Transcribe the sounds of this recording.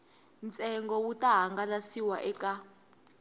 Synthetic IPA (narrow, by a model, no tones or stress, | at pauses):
nt͡sʼɛŋɡɔwutʼaɦaŋɡalasiwaʔɛka